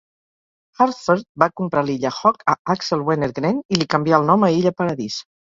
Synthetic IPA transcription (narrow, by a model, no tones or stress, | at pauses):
xaɾfeɾt̪̚bakumpɾaliʎəxɔkəaksəlˠweneɾɣɾenilikəmbjiaəlˠnɔməiʎəpəɾəðis